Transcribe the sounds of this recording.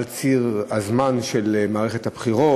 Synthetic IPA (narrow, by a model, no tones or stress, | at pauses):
lt͡siʁazmanʃelmaːʁeχet̪habχiʁo